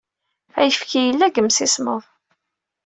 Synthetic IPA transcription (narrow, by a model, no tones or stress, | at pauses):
æjəfkijəlːæɡəmsisməðˤ